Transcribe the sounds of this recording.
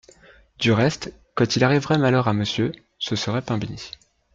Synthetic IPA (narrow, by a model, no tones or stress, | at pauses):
d̪yʁɛst̪ | kɑ̃t̪ʰilaʁivʁɛmalœʁaməsjø | səsəʁɛpɛ̃bini